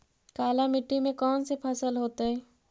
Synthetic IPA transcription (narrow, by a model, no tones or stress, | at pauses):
kaːlamɪʈːimẽkɔːnsepʰaːsəlɦoːt̪eɦɛː